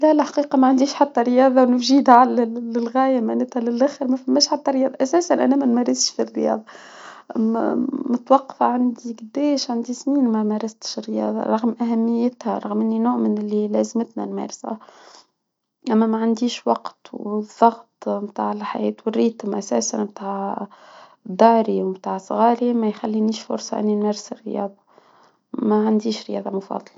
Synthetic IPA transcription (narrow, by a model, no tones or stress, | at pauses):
lælæħḁqiːqɑmæʕand̪iːʃħat̪ːɑɾjɑːðˤɑwnʊfʒiːd̪aʕalæɪlɣæːjamaʕnæt̪hælɪlʔæxəɾmæfæmːæːʃħat̪ːɑɾjɑːd̪ˤɑʔæsæːsanʔæ̰næmænmæɾˤɪsʃfirːjɑ̰ːðˤɑ | ʔæm̰mʊt̪wɑqːɑ̥faʕand̪iɡd̪ɛːʃʕand̪ismiːnmæmæɾˤɑst̪ʃərːjɑ̰ːðˤɑ̰ɾˤɑɣmʔæhæmːɪjːət̪hæɾˤɑɣmʔɪnːinʊʕmɪnɪlːilæːzmət̪næ̰nmæ̰ːɾsæ̰ | ʔæmːæmæʕand̪iːʃwɑqt̪wðˤːɑɣt̪mt̪aːʕɪlħajɛ̰ːt̪wərːiːt̪mʔæsæ̰ːsa̰nmt̪aːʕ | d̪ːɑːɾiwmt̪aːʕsˤɣɑːɾimæjxælːiniːʃfʊ̰ɾsˤɑʔɪ̰nːinmæːɾˤsɪrːjɑ̰ːðˤɑ̥ | mæʕand̪iːʃɾjɑːd̪ˤɑmʊfɑ̰d̪ˤɑlɑ